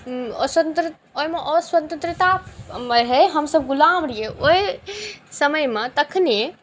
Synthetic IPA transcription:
ɔ̰swənt̪ɾ | ojmeʔɔswət̪ə̃nt̪ɾit̪ameɦɛɦəmsəb̚ɡulamɾijeoj | səməjmet̪əkʰne

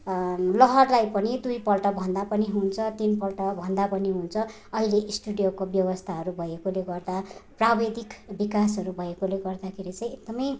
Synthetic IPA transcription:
lʌɦʌrlajpʌnid̪ujpʌlʈʌbʱʌnd̪apʌniɦunt͡sʰʌt̪inpʌlʈʌbʱʌnd̪apʌniɦunt͡sʰʌ | ʌɦileʔisʈuɽjokobjʌbʌst̪ʰaɦʌɾubʱʌekoleɡʌrd̪aprabed̪ʱikbikasɦʌɾubʱʌekoleɡʌrd̪akʰeɾit͡sʌj̃ek̚d̪ʌmʌj

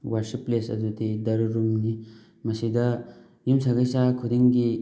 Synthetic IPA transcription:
wɐɾsipːlesɐ̰d̪ut̪id̪ɐɾuɾumni | mɐsid̪ɐ | jimsaɡɐjsakʰud̪eŋɡi

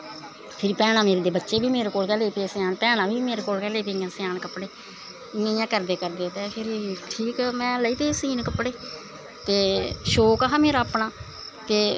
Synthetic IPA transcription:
pʰɪɾiːpɛːɽ̃ãːmeːɾeːd̪eːbətːʃeːbiːmeːɾeːkoːlkɛːleːp̪eːsjaːnpɛːɽ̃ãːbʱiːmeːɾeːkoːlkɛːleːp̪eːãːsɪjaːnkəpːɽeː | iːãːkəɾd̪eːkəɾd̪eːt̪eːpʰɪɾʈʰiːkmɛ̃ːləiːt̪eːsiːnkəpːɽeː | t̪eːʃoːkaɦaːmeːɾaːpnaː | t̪eː

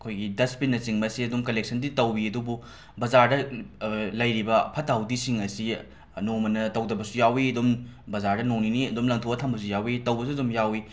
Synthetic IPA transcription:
ɐkʰojɡidɐspinːɐsiŋmɐsiɐdumkɐlek̚sɐnditɐwiɐdubu | bɐzaɾdɐ | lɐjɾibɐpʰɐtawdisiŋɐsi | nomɐnɐtɐwdɐbɐsujawiɐdumbɐzaɾdɐnoŋniniɐdumlɐŋtʰoɐtʰɐmbɐs̬ujawitɐwbɐs̬uɐdumjawi

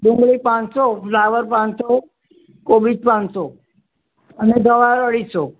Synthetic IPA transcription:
bũŋɡɭipãnsoflaʋəɾpãnso | kobid͡ʒpãnso | əned̪ʱəʋaɾəɭiso

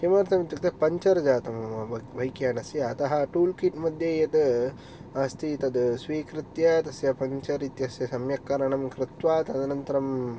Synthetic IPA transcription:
ʃimaːɾt̪ʰɐmit̪jɐkt̪ɐpɐɲt͡ʃɐɾɐd͡ʒaːt̪ɐmʋʱɐjkjaːnɐsjɐɐt̪ɐɦɐ̆ʈuːlkiʈmɐd̪ʱjɐjɐt̪ɨ | ɐst̪ʰit̪ɐd̪sʋiːkɾɪt̪jɐt̪ɐsjɐpɐɲt͡ʃɐɾit̪jɐsjɐsɐmjɐkːɐɾɐɳɐmkɾɪt̪ʋaːt̪ɐd̪ɐnɐnt̪ɐɾɐm

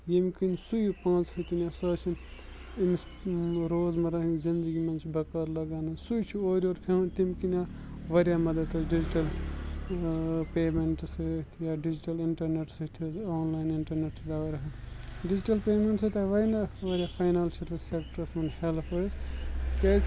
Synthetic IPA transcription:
jemkinsujpãːt͡shɐt̪ʲinjasɐːt͡ʃʰin | imis | ɾoːzmɐɾɐɦiŋɡzind̪əɡimɐnt͡ʃʰbɐkɐɾlɐɡaːnɨsujt͡ʃʰioːɾioːɾpʰemɐnt̪imkina | ʋɐɾʲjamɐd̪ɐt̪ɐɖid͡ʒiʈɐl | peːmeɳʈst̪ʰjaɖid͡ʒiʈɐliɳʈɐɾneʈsɐt̪ʲʰɐzoːnlaːjniɳʈɐɾneʈsʰd̪aːʋɾɐɦɐn | ɖiziʈɐlpeːmeɳʈsɐt̪ʲʰaʋɐinɐʋɐɾʲjapʰajnalt͡ʃʰit̪ɐsekʈɐɾsmɐnhelpɐske

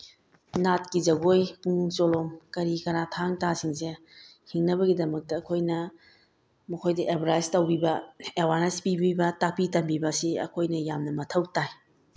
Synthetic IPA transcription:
nat̚kizɐɡojpuŋnuŋt͡ʃolomkɐɾikɐnatʰaŋtasiŋse | hiŋnɐbɐɡidɐmɐk̚tɐːkʰojnɐ | mɐkʰojdɐʔebɾajstɐwbibɐewaɾnespibibɐtapitɐmbibɐsiɐ̰kʰojnɐjamnɐmɐtʰɐwtaj

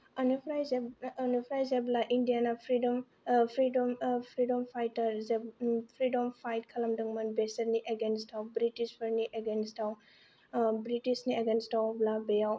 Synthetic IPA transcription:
anipʰɾajzeanipʰɾajzeblaʔindijanapʰɾidɔm | pʰɾidɔmpʰɾidɔmpʰajtɐɾzepʰɾidɔmpʰajt̚kʰɐlɐmdɐŋmɐnbesɐɾniʔeɡenstʰawbɾitispʰɐɾniʔeɡenstaw | bɾitisnieɡenstawblabejaw

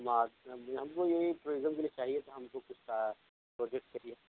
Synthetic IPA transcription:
maːɦɐmkojɐɦipɾoːɡəmkeliet͡ʃaːɦiɛt̪oɦɐmkokʊt͡ʃʰsa | pɾoːd͡ʒɛk̚ʈkɐɾiɛ

